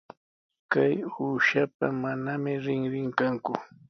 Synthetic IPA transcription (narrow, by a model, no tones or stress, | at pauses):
kajuːʃapamanamɪɾɪŋɾɪŋkaŋkʊ